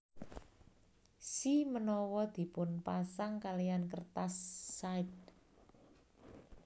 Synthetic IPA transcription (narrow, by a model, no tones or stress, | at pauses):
simənɔwɔd̪̥i̤pʊnpasaŋkalijankərt̪asːaɪt̪̚